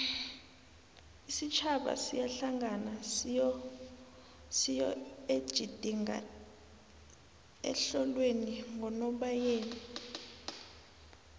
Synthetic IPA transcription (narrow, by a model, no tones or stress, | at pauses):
isit͡ʃʰaɓa̰sijaɬaŋʱana | sijɔed̥ʒ̥ʱid̥ʱiŋa̰ | ɛ̰ɬɔlweniŋʱɔnɔɓajeːni